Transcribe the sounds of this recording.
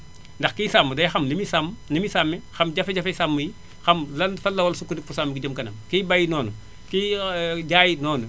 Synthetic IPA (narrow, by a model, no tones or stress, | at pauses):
ndɐxkiːsamːədɐjxɐmlimisamnimisamːɛxɐmɟɐfɛɟɐfɐsamːəji | xɐmlɐnfɐlːɐwɐlsukudikfusamːəɡiɟəmkɐnɐmkiːbɐjnɔːnu | kiːɟaːjinɔːnə